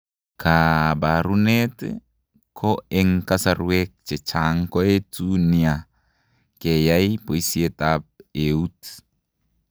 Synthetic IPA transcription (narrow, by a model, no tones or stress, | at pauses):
kʰabaɾunet | kʰɔɛŋkasaɾuek̚t͡ʃɛt͡ʃʰaŋkɔetunia | kejaipoisietap̚eut